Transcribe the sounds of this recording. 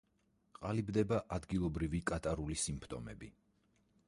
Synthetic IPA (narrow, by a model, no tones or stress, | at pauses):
qʼalibd̪ɛbaʔad̪ɡilˠɔbɾivikʼat̪ʼaɾulisimpʰt̪ʼɔmɛ̰bi